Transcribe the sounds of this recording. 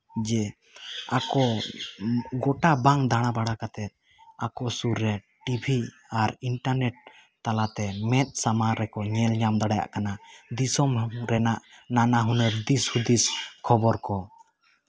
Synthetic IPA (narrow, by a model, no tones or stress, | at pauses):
d͡ʒɛ | akɔ | ɡɔʈabaŋd̪ʱaɽ̃abaɽakat̪ɛt̪̚ | akɔsuɾːɛ | ʈibʱi | aɾiɳʈaɾnɛʈ̚ | t̪alat̪ɛmɛt̪̚ˀsamaɾːɛkɔɲɛlɲamd̪aɽaja̰ʔkanad̪isɔmɾɛnaʔnanaɦunɛɾd̪ishud̪iskʰɔbɔɾkɔ